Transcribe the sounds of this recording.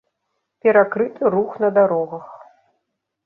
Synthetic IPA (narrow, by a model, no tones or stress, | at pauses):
pʲɛɾakɾɨt̪ɨɾuxnɐd̪aɾɔɣɐx